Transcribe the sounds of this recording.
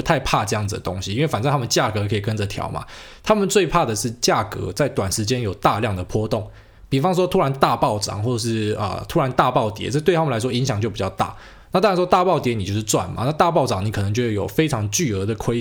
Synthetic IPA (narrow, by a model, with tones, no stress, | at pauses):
t̪ʰa˥˧ɪpʰa˥˧ʈ͡ʂɤ˥˧jɑ˥˩ŋd͡z̩ɨ˨d̪ə˨t̪o˥ŋɕi˨i˥nwe˥˩fa˨˩nt͡sa˥˧a˥mə˨nt͡ɕja˥˨˩kɤ˧˦kʰɤ˧˥i˨˩kə˦nd͡zə˨˩t̪ʰjɑ̰˧˥˦ʊma̰˨ | t̪ʰa˥mə˨nt͡swe˥˧ɪpʰa˥˩d̪ə˩ʂɻ̩˥˧t͡ɕja˥˩kɤ̰˧˥t͡sa˥˩ɪt̪wa˨˩nʂ̩˧˥t͡ɕjɛ˦njo˨˩ʊt̪a˥˧ljɑ˥˩ŋd̪ə˩pʰwɔ˥t̪ʊ˥˨˩ŋ | pi˨˩fɑ˦ŋʂ̬wɔ˥t̪ʰu˥ɻa˧˦nt̪a˥˧pɑ˥˩ʊʈ͡ʂɑ̰˨˩˦ŋxwɔ˥˩ɤ˨˩ʂ̬ɻ̩˥˩ə̰˩t̪ʰu˥ɻa˧˦nt̪a˥˧pɑ˥˩ʊt̪jɛ̰˨˦t͡sɤ˥˧t̪we˥ɪt̪ʰa˥mə˨la˧˥ɪʂwɔ˥i˧˦ŋɕjɑ˨˩ŋt͡ɕo˥˩ʊpi˨˩t͡ɕɑ˥˧ʊt̪a̰˥˩ | na˥˩t̪a˥˩˨n˥ʂwɔ˥t̪a˥˧pɑ˥˩ʊt̪jɛ˧˥ni˨t͡ɕjo˥˧ʊʂɻ̩˥˧t͡swa̰˥˩nma̰˦na˥˧t̪a˥˧pɑ˥˩ʊʈ͡ʂɑ˨˩ŋni˨˥kʰɤ˨˩nɤ˧˦ŋt͡ɕjo˥˩˥jo˨˩ʊfe˥ɪʈ͡ʂʰɑ˧˥ŋt͡ɕy˥˩ɤ˧˥d̪ə˨kʰwe˥ɪ